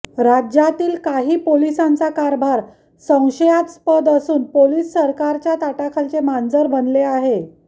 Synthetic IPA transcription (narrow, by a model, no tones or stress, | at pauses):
ɾad͡ʑjat̪iːlkaɦiːpolisãnt͡sakaɾbʱaɾ | sə̃w̃ɕəjat̪spəd̪əsuːnpoliːsːəɾkaɾt͡ɕjat̪aʈakʰəlt͡semand͡zəɾbʱənleaɦe